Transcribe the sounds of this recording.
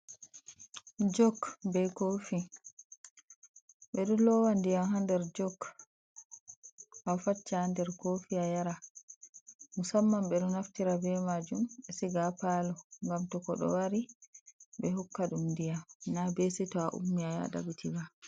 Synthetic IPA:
d͡ʒɔkbɛjkofi | ɓɛɗɔlɔwandijamhandɛɾd͡ʒɔk | afat͡ʃːaandɛɾkofiajaɾa | musamːamɓɛɗɔnaftiɾabɛmad͡ʒumɛsiɡapalɔŋɡamtɔkɔɗɔ̰waɾi | ɓɛɦɔkːaɗumndijamnabɛsɛtɔaʔṵmːiaja̰da̰bitʰila

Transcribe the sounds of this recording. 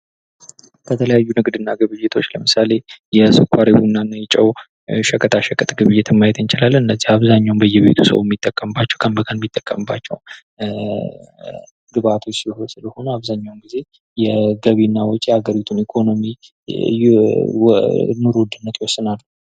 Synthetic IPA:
kʰət̪ʰələjajːunɨɡd̪ɨnːaɡɨβɨjɪt̪ʰo̞t͡ʃːləmɨsale̞jɛsɨkʰaɾewunːanːjɪt͡ʃʼːəw | ʃəkʼʰət̪ʰaʃəkʼət̪ʼɡɨβɨjːɛt̪ʰɪmːajɛt̪ɨnt͡ʃɪlalːɨnːəzːihaβzaɲːawnbəjːɛβḛt̪ʰusə̰wmːit̪ʼːəkʼːəmbat͡ʃːɛwkʰəmbəkʰʼənmːit̪ʼːəkʼːəmɨbːa̰t͡ʃːɛ̰w | ɡɨβat̪ʰo̞t͡ʃːsɨləsɨləho̞nəaβzaɲːawnɡize̞ | jɛɡəβinːawɔt͡ʃʼːijaɡəɾit̪ʰunikʰo̞no̞mi | nuɾuwd̪ɨnːət̪jwɔsːɨnalː

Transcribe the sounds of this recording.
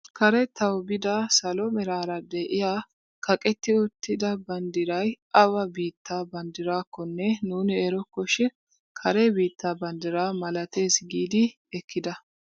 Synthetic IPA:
kɐɾɛt̪ɐwbɪd̪ɐsɐlɔmɛɾaːɾɐd̪eːʔɪjaː | kɐkʼɛt̪ːɪʊt̪ːɪd̪ɐbɐnd̪ɪɾɐjʔɐwɐbiːt̪ʰːaːbɐnd̪ɪɾaːkːɔnːɛnuːnɪɛɾɔkːɔʃɛ | kʰɐɾebiːt̪ːaːbɐnd̪ɪɾaːmɐlɐt̪e̞ːsɡiːd̪ɪ | ɛkʰːɪd̪ɐ

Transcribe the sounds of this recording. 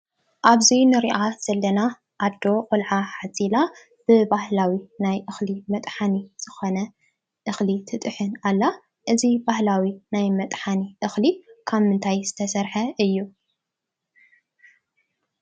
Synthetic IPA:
ʔaβzinɨɾiʔaz̥ɐlːɐna | ʔad̪ːo̞qʼolʕaħat͡sʼila | b̥ɨbahlawinajʔɨxlimɐt̪ʼħaniz̥ɨxonɐ | ʔɨxlit̪ʰɨt̪ʼɨħɨnalːa | ʔɨzibahlawinajmɐt̪ʼħaniʔɨxlikʰaβmɨnt̪ʰajzɨt̪ʰɐsɐɾħɐʔɨjːu

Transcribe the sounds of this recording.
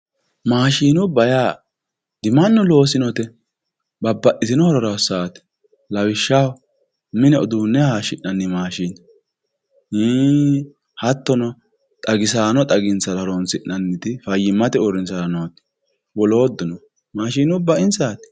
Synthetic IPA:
maːʃiːnʊbɐjaː | d̪̥ɪmɐnːɔlo̞ːsɪnɔt̪ɛ | bɐbːɐʔɪt̪ɪnɔhɔɾɔɾɐsaːt̪ɛ̥ | lɐwɪʃːa | mɪnɛɔd̪uːnːɛhaːʃɪʔɐnːɪmaːʃin | iː | hɐt̪ːɔnɔ | t̪ʼɐɡɪs̬aːnɔt̪ʼɐɡɪnt͡sɐɾɾonsɪʔːɐnːɪt̪ɪfɐjːɪmːɐt̪ɛɔɾɪnsanɔt̪ | wɔloːd̪ːʊnɔ | maːʃiːnʊbɐʔɪnsaːt̪

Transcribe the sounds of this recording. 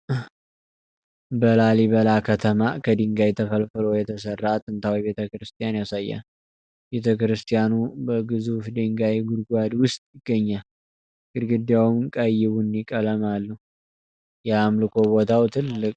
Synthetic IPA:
bəlaliβəlakʰət̪ʰəmakʰəd̪iŋɡajt̪ʰəfəlfɨlojɛt̪ʰəsərːat̪ʼɨnt̪ʰawibe̞t̪ʰəkɾɨst̪ʼijanjasajːa̰n | be̞t̪ʰəkɾɨst̪ʰʼijanubəɡɨzufd̪eŋɡajɡud̪ɡʷad̪wʊst̪ʼjɪɡ̥ːəɲːal | ɡ̥ɨd̪ɡɨd̪jawmkʼəjːɪβunikʼələmalːu | jamlɨkʰo̞bo̞t̪ʰawt̪ʰɨlːɨkʼ

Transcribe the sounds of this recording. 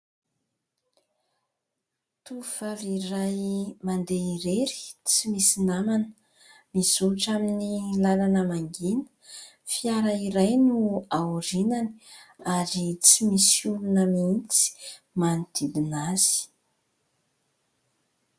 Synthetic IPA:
t̪uv̥aviɾajmand̪eiɾeɾi̥t͡simisinamanə | misuʈ͡ʂaminilalanəmaŋɡinə̥ | fiaɾaiɾajnuauɾinani̥aɾit͡simisulunəmint͡si̥ | manit̪ʰid̪inaz̥i̥i̥

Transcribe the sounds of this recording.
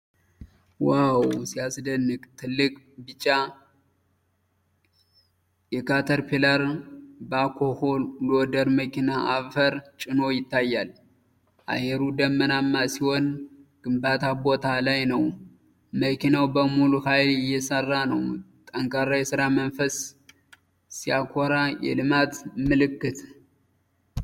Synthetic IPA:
wawsiasd̪ənːɨkt̪ʰɨlːɨkʼ | bɨt͡ʃʼːa | jɛkʰat̪ʰəɾpʰeləɾbakʰoholod̪əɾməkinaʔaβfəɾt͡ʃʼɪno̞jɪt̪ːajːal | ʔa̰jɛɾud̪əmːənamːasiho̞nɡ̥ɨmbat̪ʰabo̞t̪ʰalajnəw | məkʰinawbəmuluhajlɪjːɛsərːanəwt̪ʼəŋkʼaɾajɛsɨɾamənfəs | sijakʰoɾajɛ̰lɨmat̪mɨlɨkːɨt̪

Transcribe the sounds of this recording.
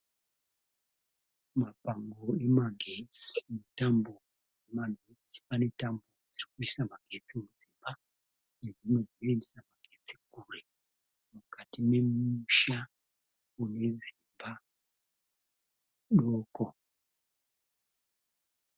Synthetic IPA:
mapaŋɡoemaɡʱet͡si̥netambo | emaɡʱet͡si̥pane̞tambod͡zirikuisamaɡ̥ʱet͡simuzimba | nezimozinoendisamaɡ̥ʱe̞t͡sik̚ure | mukatime̞muʃa | une̞zimba | ɗoːko

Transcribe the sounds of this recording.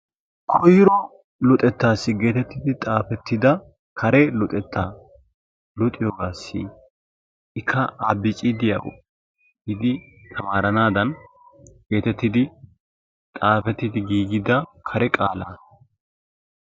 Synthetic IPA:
kʰɔjɪɾɔ | lɔt̪ʼɛt̪ːaːsːɪɡe̞ːt̪ɛt̪ːɪd̪ɪt̪ʼaːfɛt̪ːɪd̪ɐ | kʰɐɾɛlɔt̪ʼɛt̪ʰːaː | lɔt̪ʼːɪjoːɡaːsːḭ | ɪkʰːɐʔabɪt͡ʃʼɪd̪ɪjɐ̰ɡɔ̰ | hɪd̪ɪ | t̪ʰɐmaːɾɐnaːd̪ɐn | ɡ̥e̞ːt̪ɛt̪ːɪd̪ɪ | t̪ʼaːfɛt̪ːɪd̪ɪɡiːɡɪd̪ɐkʰɐɾɛkʼaːla

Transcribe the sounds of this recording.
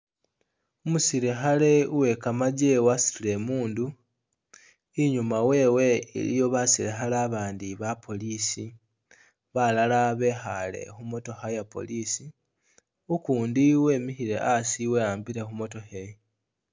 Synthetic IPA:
umusiɾexale̞uwe̞kamaɟewasi̥tile̞muːndu | iɲumawe̞ːwe̞ḛlḭjo̞βasiɾexalaːβaːndiβapʰo̞liːsi | βalalaβe̞xale̞̰xumo̞to̞xajapo̞̰liːsi | ukuːndiwe̞ːmihiɾe̞̰ʔasiwe̞aːmbiɾe̞xumo̞to̞xej

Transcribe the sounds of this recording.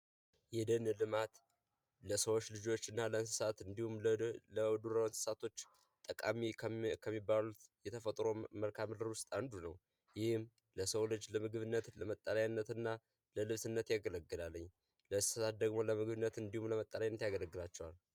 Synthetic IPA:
jɛd̪ənɨlɨmat̪ | ləsəwot͡ʃːlɨd͡ʒo̞t͡ʃːɨnːaləɨnsɨ̥sat̪ɨnd̪ihumləd̪uɾəwɨnsɨ̥sat̪ʰo̞t͡ʃː | t̪ʼəkʼa̰mikʰəmːibːalut̪jɛt̪ʰəfət̪ʼɾo̞məlkʰamɨlɾwʊst̪ʼand̪unəw | jɪhɨm | ləsəwlɨd͡ʒləmɨɡɨβɨnːət̪ləmət̪ʼːəlajnːət̪ɨnːa | ləlɨβsɨnːət̪jaɡələɡːɨlalːəɲː | lənsɨsat̪̚d̪əɡmo̞ləmɨɡβɨnːət̪ɨnd̪ihumləmət̪ʼːəlajanːət̪jaɡələɡːɨlat͡ʃːɛwal

